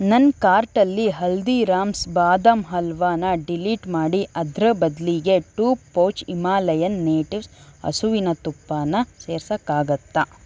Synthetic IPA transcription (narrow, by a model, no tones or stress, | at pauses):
nɐnkaːɾʈɐlːiɦɐld̪iɾaːmsbaːd̪ɐmɦɐlʋaːnɐɖiliːʈmaːɽiʔɐd̪ɾɐbɐd̪liɡe̞ʈuːoːt͡ʃimaːlɐjɐnːeːʈiʋsɐ̰suʋinɐt̪upːaːnɐseːɾsɐkːaːɡɐt̪ːɐ